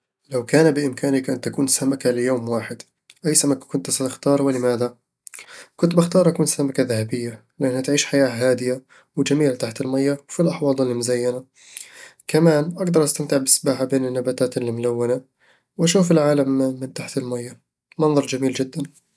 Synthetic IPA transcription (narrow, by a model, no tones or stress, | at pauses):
lawkaːnabɪʔɪmkaːnɪkʔant̪ːakuːnsamakalɪjoːmwaːħɪd̪ | ʔajsamakḁkʊnt̪sat̪ɪxt̪ɑːɾˤwɪlɪmaːða | kʊnt̪baxt̪ɑːɾˤʔakuːnsamakaðahabɪjːa | lɪʔanhat̪ʕiːʃħajaːɦaːd̪ɪja | wɪd͡ʒamiːlt̪aħt̪ɪlmajːawfilʔɑħwɑːlˤɪlːimʊzajːana | kamaːnʔaɡd̪ɑɾˤʔast̪amt̪ɪʕbɪsbaːħabeːnɪnːabaːt̪aːt̪ɪlːimʊlawːana | wʔaʃuːfɪlʕaːlamːɪnt̪aħt̪ɪlmajːa | mɑnðˤɑɾˤd͡ʒamiːld͡ʒɪd̪ːan